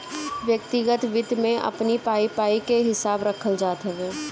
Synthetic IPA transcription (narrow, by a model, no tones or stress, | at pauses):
ʋjək̚t̪ɪɡət̪ʋɪd̪ʱmẽʔɐ̰pnipaːipaːikeɦɪsaːbɾəkʰəld͡ʒaːt̪ɦɛʋeː